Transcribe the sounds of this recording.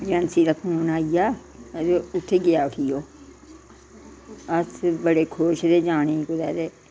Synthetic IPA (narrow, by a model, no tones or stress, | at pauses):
d͡ʒənsiːd̪aːkʰuːnaːijaː | deʊt̪ʰːeːɡɪjaːʊʈʰijoː | əsbəɽeːkʰoːʃd̪eːd͡ʒaːneikʊd̪ɛːɾeː